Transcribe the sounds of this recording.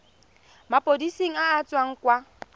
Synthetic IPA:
mapʼodisiŋ̩aːt͡sʼwaŋ̩kʼwa

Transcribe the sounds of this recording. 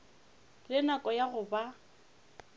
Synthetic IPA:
lɪnakʼɔjaɣʊba

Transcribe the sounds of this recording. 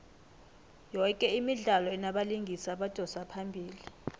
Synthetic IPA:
jɔkʼɛimiɮalɔɛnaɓaliŋɡʱisaɓad̥ʱɔsapʰambʱiːli

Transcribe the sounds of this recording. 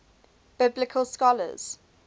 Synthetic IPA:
b̥ɪblɪkʰəlˠskɔlə̰z̥

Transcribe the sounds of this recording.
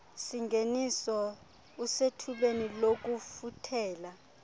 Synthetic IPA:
siŋɡʱenisɔ | usetʰulenilok̬ufutʰɛːla

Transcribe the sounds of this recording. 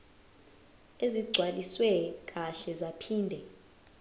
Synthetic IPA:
eziɡ͡ǀʱwaliswɛk̬ʼaɬɛzapʰiːndʱɛ

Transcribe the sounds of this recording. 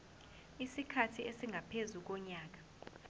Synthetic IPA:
isikʰatʰiesiŋɡʱapʰezuk̬ɔɲaːk̬ḁ

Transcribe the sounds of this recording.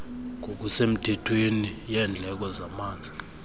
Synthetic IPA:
ŋʱok̬usem̩tʰɛtʰwenijɛnd͡ɮʱɛk̬ɔzamaːnd͡zʱi

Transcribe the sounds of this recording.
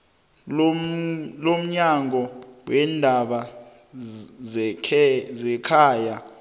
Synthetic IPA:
lom̩ɲaŋʱɔwɛndʱaɓa | zɛkʰaːja

